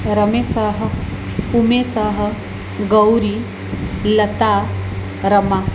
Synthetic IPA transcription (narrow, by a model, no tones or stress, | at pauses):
ɾəmesaːɦə̆ | umeːsaɦə̆ | ɡəwɾi | lɐt̪a | ɾəma